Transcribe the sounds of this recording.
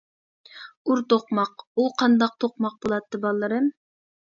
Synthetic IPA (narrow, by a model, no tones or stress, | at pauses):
uɾt̪oqmɑquqʰɑnd̪ɑq̚t̪ʰoqmɑq̚bolˠɑt̪ːɨbɑlˠːɨɾɨm